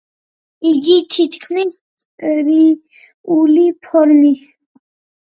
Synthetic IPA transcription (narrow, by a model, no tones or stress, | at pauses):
iɡit̪ʰit̪ʰkʰmis | ɾi | ulipʰɔɾmis